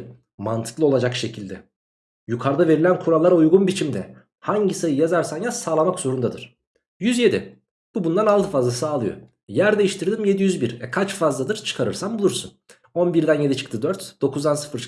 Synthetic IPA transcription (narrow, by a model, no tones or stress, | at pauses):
mant̪ʰɯ̥klˠɯo̞lˠad͡ʒakʃe̞cʰilʲd̪ɛ | jukʰaɾd̪ave̞ɾilʲænkʰuɾalˠːaɾaujɡunbit͡ʃʰimd̪ɛ̰ | haɲɟisajɯjazaɾsanjasaːlˠamakz̥o̞ɾund̪ad̪ɯɾ̥ | jyzje̞d̪ḭ | b̥ubund̪analˠt̪ʰɯfazlˠasaːlˠɯjo̰ | jæɾd̪e̞jiʃt̪ʰiɾd̪imje̞d̪ijyzbiɾɛkʰat͡ʃfazlˠad̪ɯɾt͡ʃʰɯ̥kʰaɾɯɾsambulˠuɾsun | o̞nbiɾd̪ænje̞d̪it͡ʃʰɯ̥kt̪ʰɯd̪øɾt̪d̪̥o̞kʰuzd̪ansɯ̥fɯɾ